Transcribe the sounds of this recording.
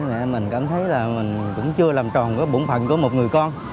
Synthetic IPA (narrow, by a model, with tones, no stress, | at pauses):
mɛ̰˧˨mï˨˩ŋ̟kaː˧˩mt̪ʰə˨˦jlaː˨˩mï˨˩ŋ̟kʊ̰˧˥ŋ͡mt͡ɕɨ˧əlaː˨˩mt͡ɕɔ˨˩nkuː˨˦ɓṵ˧˩˦nfʰə̰˧˨nku˧˩əmo˨˩t̚ŋɨ˨˩əjkɔ˧n